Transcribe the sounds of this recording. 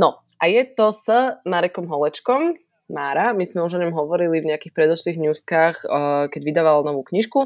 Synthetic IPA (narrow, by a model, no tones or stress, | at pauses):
nɔ | ʔajɛt̪ɔsəmaɾɛkɔmɦɔlɛt͡ʃkɔm | maːɾamizmɛuʒɔɲɔmɦɔʋɔɾilivɲɛakiːxpɾɛd̪ɔʃliːɣɲuːskaːxkɛɟʋid̪aːʋalnɔʋuːkɲiʃku